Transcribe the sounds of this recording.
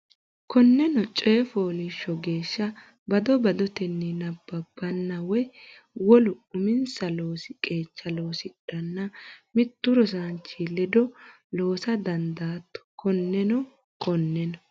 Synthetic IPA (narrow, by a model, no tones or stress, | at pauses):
kɔnːɛnɔt͡ʃʼeːfoːlɪʃːɔɡe̞ːʃːɐ | bɐd̪ɔbɐd̪ɔt̪ɛnːinɐbːɐbːɐnːɐwɔj | wɔlʊʊmɪnsɐlo̞ːsɪkʼe̞ːt͡ʃːɐlo̞ːsɪᶑɐnːɐmɪt̪ːʊɾɔs̬aːnt͡ʃːilɛd̪ɔ | lo̞ːsɐd̪ɐnd̪aːt̪ːɔ̥kɔnːɛnɔ | kɔnːɛnɔ